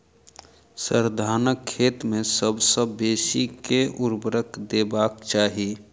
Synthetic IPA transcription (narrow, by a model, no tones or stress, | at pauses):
səɾd̪ʱaːnəkʰːeːt̪mẽsəbsəbːeːsikeʊɾbəɾəkd̪ebaːkt͡ʃaːɦi